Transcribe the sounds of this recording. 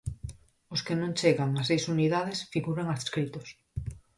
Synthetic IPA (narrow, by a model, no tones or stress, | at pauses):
oskenõnt͡ʃeɣaŋasejsuniðaðesfiɣuɾaŋasskɾit̪os